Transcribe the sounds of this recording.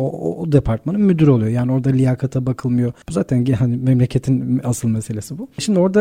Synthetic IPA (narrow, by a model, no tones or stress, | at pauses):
oo̰d̪epʰaɾt̪manɯnmyd̪yɾo̞lˠujo̞jaːnio̞ɾd̪alʲijakʰat̪ʰabakʰɯlˠmɯjo̞buzaːt̪ʰænɟhanimemlʲecʰet̪ʰinasɯlˠmese̞lʲe̞sibuʃimd̪io̞ɾd̪a